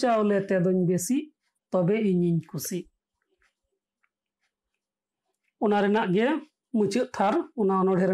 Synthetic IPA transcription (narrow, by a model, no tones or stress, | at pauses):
t͡ʃaɔlɛt̪ɛd̪ɔɲbesiʔ | t̪ɔbɛiɲiɲkusiʔ | ɔnaɾɛnaʔɡɛ | mut͡ʃuʔ̚t̪ʰaɾɔnaɔnɔɽʱɛɾ